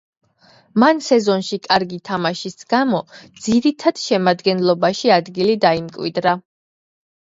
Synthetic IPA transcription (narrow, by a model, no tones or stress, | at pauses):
mansɛzɔnʃikʼaɾɡit̪ʰamaʃisɡ̥amɔd̪z̥iɾit̪ʰad̪̥ʃɛmad̪ɡɛnlˠɔbaʃiad̪ɡilid̪aimkʼwḭd̪ɾa